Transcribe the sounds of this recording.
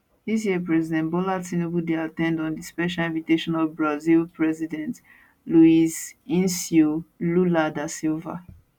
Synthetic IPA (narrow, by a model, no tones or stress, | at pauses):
dis̬jɛpɹɛzidɛ̃ntbɔlatsĩnubudeatɛ̃ndɔ̃ndispɛʃ̬alĩnviteʃɔ̃nɔvbɹazilpɹɛzidɛ̃nt | luizĩnsjoluladasilva̰